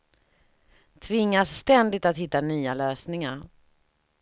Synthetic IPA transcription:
t̪ʰvɪŋːasːt̪ɛnd̪ɪt̪at̪hɪt̪ːanyːaløːsnɪŋaɾ

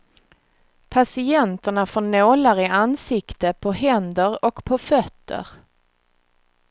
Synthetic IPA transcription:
pʰasɪɛnt̪əɳafɔɳoːlaɾɪʔansɪkt̪əpʰɔɦɛnd̪əɾɔkpʰɔfœt̪ʰːə̰ɾ

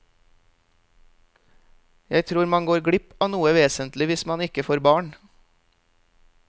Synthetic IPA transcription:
jæɪt̪ʰɾuːɾmɑŋɡoːɾɡɽɪpɑːnuːəʋeːsənt̪lɪʋɪsmɑnɪkəfoːɾbɑːɳ

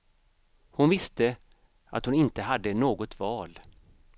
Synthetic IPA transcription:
hʊnvɪst̪ə | a̰t̪hʊnɪnt̪əɦad̪ːənoːɡɔt̪vɑːl

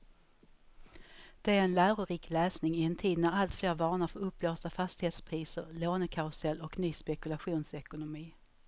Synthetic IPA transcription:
d̪̥ɛæɾɛnlæːɾʊɾiːklɛːsnɪŋɪɛnt̪ʰiːd̪næɾalt̪fleːɾvɑːɳaɾfɔɾɵpːloːst̪afast̪ɪheːt̪spʰɾiːsə̰ɾloːnəkʰaʊsɛlːɔknyːspɛkɵlaɧuːnsɛkʊnʊmiː

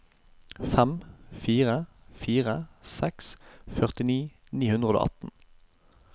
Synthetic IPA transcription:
fɛmfiːʁəfiːʁəsɛksfœʁt̪ɪniː | niːhʉnd̪ʁəo̰ʔɑ̰t̪n̩

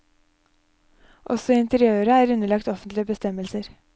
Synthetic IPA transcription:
ʔɔ̰sɔɪnt̪əɾɪøːɾəæːɾʉnəɭɑkt̪ɔfənt̪lɪəbəst̪ɛməlsəɾ

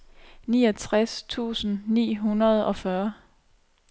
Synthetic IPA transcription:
niːɒt͡sʰʁast͡sʰṵːsn̩nḭːɦunɐð̞ˠɒ̽fɶɐ

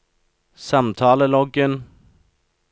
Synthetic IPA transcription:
sɑmt̪ʰɑːləlɔɡən

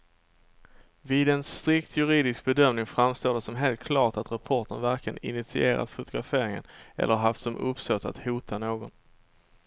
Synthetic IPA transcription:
vɪd̪ɛnst̪ɾɪkt̪ʰjɵɾiːd̪ɪsk̚bɛd̪œmnɪŋfɾamst̪oːɖɛsɔmɦeːlt̪̚kʰlɑːʈat̪ɾapʰɔʈənvæɾkʰləənɪ̰nɪt̪sɪ̰eːɾa̰d̪fʊt̪ʊɡɾafeːɾɪŋə̰nʔɛ̰lːəɾɦaft̪sɔmʔɵpst̪ɔt̪ːa̰t̪huːt̪ʰanoːɡɔn

